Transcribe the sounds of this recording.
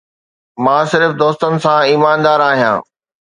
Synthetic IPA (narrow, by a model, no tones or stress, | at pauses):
mãːsɪɾfd̪oːst̪ənɪ̆sãiːmaːnd̪aːɾaːɦijã̰ː